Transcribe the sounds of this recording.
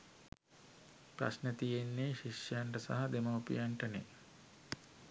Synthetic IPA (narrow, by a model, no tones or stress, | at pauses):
pɾa̰snət̪ijenːeʃiʃjjaɳʈəsa̰ɦɐd̪eməupḭjaɳʈənḛ